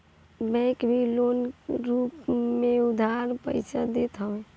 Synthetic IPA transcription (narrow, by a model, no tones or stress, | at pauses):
bɛ̃kbʱilonɾupmẽʊd̪ʱaɾpə̰ɪt͡ʃʰəd̪et̪ɦəe